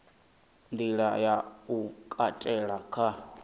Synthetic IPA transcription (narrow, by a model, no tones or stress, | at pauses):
nd̪iɺajaukʼatʼɛɺakʰa